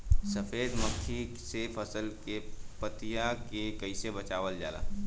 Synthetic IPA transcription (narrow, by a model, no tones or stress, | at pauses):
sɐfeːd̪məkʰːi | sefʰɐsəlkepət̪ijakekɐɪsebɐt͡ʃaːʋəld͡ʒa̰ːla̰ː